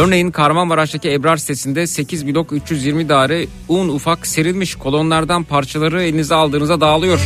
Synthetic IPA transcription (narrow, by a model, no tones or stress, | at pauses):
øɾne̞jinkʰaɾmamaɾat͡ʃt̪aciɛbɾaɾsi̥t̪ʰe̞sind̪ɛse̞cʰizbilʲo̞kyt͡ʃjyzjiɾmid̪aːɾɛ | unufakseɾilʲmiʃkʰo̞lˠo̞nlˠaɾd̪anpʰaɾt͡ʃʰalˠaɾɯelʲinizialˠd̪ɯːnɯzad̪aːlˠɯjo̞ɾ̥